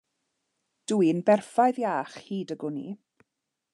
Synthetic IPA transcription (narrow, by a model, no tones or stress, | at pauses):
d̥uinbɛrfajɨðjaːχhiːdəɡʊnḭ